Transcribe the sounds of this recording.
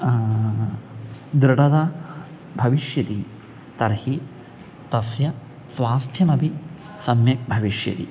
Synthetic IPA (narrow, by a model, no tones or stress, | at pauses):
d̪ɾɪɖɐd̪ɐ | bʱɐʋiʃjɐt̪i | t̪ɐɾhi | t̪ɐsjɐ | sʋaːst̪ʰjɐnɐbʱi | sɐmjɐbʱɐʋiʃjɐ̰t̪ḭ